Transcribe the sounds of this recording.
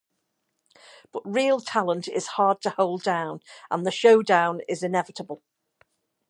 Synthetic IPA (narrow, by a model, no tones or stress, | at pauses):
b̥ʌʔɹiːəlˠtʰalə̃ntɪ̰z̥hɑːd̚tʰəhoʊlˠdãʊ̃nʔə̰̃nðəʃoʊdãʊ̃nɪ̰zɪ̃nɛvɪtəbəlˠ